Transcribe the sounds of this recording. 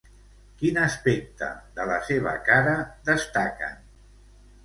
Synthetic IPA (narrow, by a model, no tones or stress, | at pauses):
kinəspek̚t̪ə̰ðələseβ̞ə̰kaɾəðəst̪akə̰